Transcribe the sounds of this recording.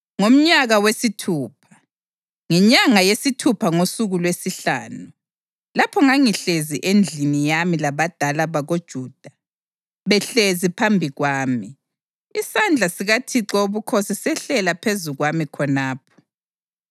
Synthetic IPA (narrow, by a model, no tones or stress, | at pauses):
ŋom̩ɲaɣawesitʰuːpʰḁ | ŋɛɲaŋajesitʰupʰaŋosuɣulwesiɬa̰ːnu | lapʰɔŋaŋiɬeziʔend͡ɮʱinijamilaβad̥ʱalaβaɣod̥ʒ̥ʱuːd̥ʱa | βɛɬezipʰambʱiɣwaːmi | isand͡ɮʱasiɣatʰiǁɔuβukʰosisɛɬɛlapʰezuɣwamikʰɔnaːp̚ʰɔ̥